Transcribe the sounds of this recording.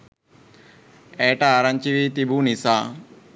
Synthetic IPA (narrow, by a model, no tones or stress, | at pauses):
eːʈaɾant͡ʃiʋit̪ibuːnisaː